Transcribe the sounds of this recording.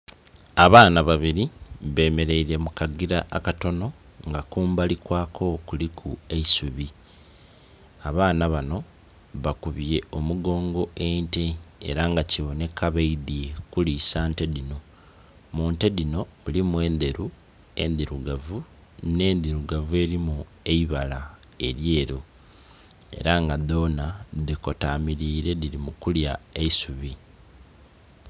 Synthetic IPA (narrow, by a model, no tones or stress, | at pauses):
aβaːnaβaβiɾiβe̞ːme̞ɾe̞iɾe̞mukaɡiɾaʔːkato̞no̞ | ŋɡakuːmbalikwaːkʰo̞kulikʰue̞isuβi | aβaːnaβano̞ | βakuβje̞o̞muɡo̞ːŋɡo̞e̞nteḛɾaŋɡaciβo̞ne̞kʰaβeidiekulisaːnte̞dino | muːnte̞dino̞ulimwe̞ːnd̪e̞ɾu | e̞̰nd̪iɾuɡavu | ne̞ːnd̪iɾuɡavue̞ːɾimu | e̞iβala | e̞ɾje̞ːɾo | e̞̰ɾaŋɡad̪o̞ːnaðiko̞tamiɾiːɾe̞ðiɾimukuljaeisuβi